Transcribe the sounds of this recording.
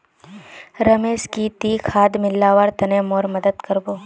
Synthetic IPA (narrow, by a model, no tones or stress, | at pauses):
ɾɐmeːskit̪iːkʰaːd̪mɪlːaːʋaɾt̪ɐnẽmoːɾmɐd̪əd̪kɐɾboː